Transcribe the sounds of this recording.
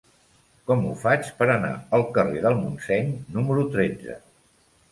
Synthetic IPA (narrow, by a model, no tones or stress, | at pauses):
kɔmṵfat͡ʃpəɾəna̰əlˠkəreðəlˠmunsɛɲnuməɾut̪ɾed͡zə̰